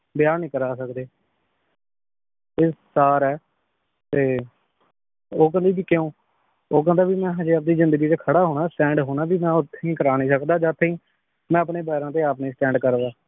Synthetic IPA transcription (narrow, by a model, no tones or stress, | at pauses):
bɪjaːɾnĩːkəɾaːsəkd̪eː | eːsaːɾɛː | t̪eː | oːk̬ə̃nd̪iːbiːkeõː | oːk̬ə̃nd̪aːbiːmɛ̃ːd͡ʒeːəp̚d̪iːzɪ̃nd̪əɡiːt͡ʃ̪ekʰəɽaːɦoːɽaːsʈɛ̃ːɳɖɦoːɽaːbiːmɛ̃ːʊt̪ʰːeĩːkəɾaːnĩːsəkd̪aːd͡ʒaːt̪ʰːeĩː | mɛ̃ːəpneːbaːɪɾãːt̪eːaːpnẽːsʈɛ̃ːɳɖkəɾʋaː